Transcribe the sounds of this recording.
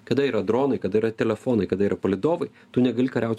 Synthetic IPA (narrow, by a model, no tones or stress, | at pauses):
kɐd̪ɐiːɾɐd̪ɾoːnɐɪkɐd̪ɐiːɾɐt̪ʲɛlʲɛfoːnɐɪkɐd̪ɐiːɾɐpɐlʲɪd̪oːʋɐɪ | t̪unʲɛɡɐlʲikɐɾʲɛʊt̪ʲ